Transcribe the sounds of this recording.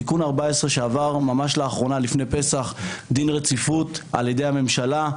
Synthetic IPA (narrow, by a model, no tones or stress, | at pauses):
ikunaʁbaesʁeʃeavaʁmamaʃlaːχʁo̞nalifne̞jpe̞saχd̪inʁe̞t͡sifuta̰lje̞d̪e̞jame̞mʃala